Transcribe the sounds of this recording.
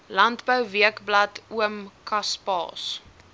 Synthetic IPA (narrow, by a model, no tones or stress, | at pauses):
lɐntbœwviəkblɐtuəmkɐspɑ̰ːs